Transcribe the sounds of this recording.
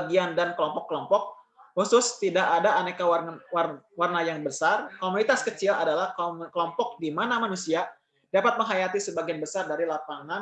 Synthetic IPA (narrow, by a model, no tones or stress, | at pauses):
ɡiandankəlɔmpɔkːəlɔmpɔk̚ | husʊst̪idaʔːdaːnekawarawarnajaŋbəsarkomunit̪askət͡ʃɪladalahkkəlɔmpɔk̚dimanamanusia | dapat̪̚məŋɦajat̪isəbaɡianbəsardaɾilapaŋan